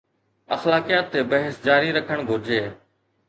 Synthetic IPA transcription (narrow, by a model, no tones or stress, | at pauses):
əxlaːkijaːt̪ːeːbəɦəsd͡ʒaːɾiɾəkʰəɽ̃ɡʱʊɾd͡ʒeː